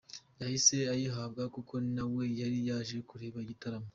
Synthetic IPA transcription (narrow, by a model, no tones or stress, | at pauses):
jahise̞ajiɦab̚ɡakuko̞nawe̞jaɾijaːʒe̞kuɾeːβaiɟitaɾamo